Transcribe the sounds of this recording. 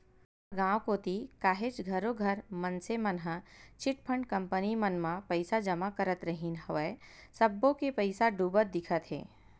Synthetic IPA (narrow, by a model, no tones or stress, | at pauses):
ɡãːwkoːt̪ikaːɦet͡ʃɡʱəɾoɡʱəɾmənsemənɦət͡ʃɪʈpʰəɳɖkɐ̃mpənimənmãpəɪsad͡ʒəmakəɾət̪ɾəɦinɦəʋe | səbːõkepəɪsaɖuːbət̪̚d̪ɪkʰət̪ɦḛː